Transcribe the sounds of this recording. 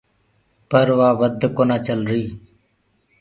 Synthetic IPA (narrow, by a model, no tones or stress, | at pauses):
pəɾʋaːʋəd̪ʱkoːnaːt͡ʃəlɾiː